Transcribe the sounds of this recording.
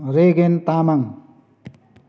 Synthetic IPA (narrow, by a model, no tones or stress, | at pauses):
ɾeɡent̪amaŋ